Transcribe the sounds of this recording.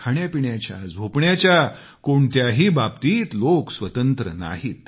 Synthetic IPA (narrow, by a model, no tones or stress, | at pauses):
kʰaɳjapiɳjat͡ɕja̰d͡zʱopɳjat͡ɕja | koɳt̪jaɦiːbabt̪iːt̪loksʋət̪ənt̪ɾə̰na̰ɦiːt̪